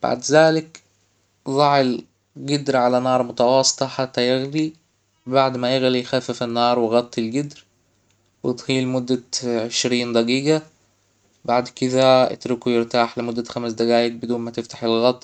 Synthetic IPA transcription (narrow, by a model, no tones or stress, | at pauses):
b̥a̰ʕd̪zaːlɪk | zˤɑʕɪl | ɡɪd̪ɾʕalænɑːɾˤmʊt̪ɑwɑːsˤːɨ̥t̪ˤɑħat̪ːæjɪɣli | baʕd̪mæjɪɣlijxæfɪfɪnːɑːɾˤwɪɣɑt̪ˤːɪlɡɪd̪ɾ | wɪt̪ɣiːlmʊd̪ːaʕeʃɾiːnd̪ˤɑɡiːɡa | baʕd̪kɪd̪æʔɪ̰t̪ɾɪkujɪɾt̪aːħlɪmʊd̪ːæxæmsd̪æɡaːjɪk̚bɪd̪uːnmæt̪ɪft̪ḁħɪlɣɑt̪ˤː